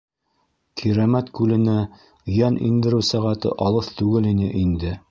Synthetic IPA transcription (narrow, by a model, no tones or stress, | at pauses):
kʰiɾæmæt̪kʉlɘ̆næ | jænʔḭnd̪ɘ̆ɾɘwsæʁæt̪ɤ̰ʔɑlˠɤθt̪ʉɡɘlinɘ̰ʔind̪ɘ